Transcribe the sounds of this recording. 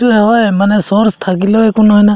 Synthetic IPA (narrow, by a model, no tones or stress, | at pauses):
uɛɦɔjmanɛsɔɾst̪ʰakilɔekunɔɦɔjna